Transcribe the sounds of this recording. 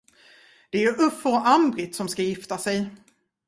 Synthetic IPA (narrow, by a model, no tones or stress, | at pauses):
d̪̥ɛæɵʔɵfəɔʔambɾɪt̪sɔmskajɪft̪asɛj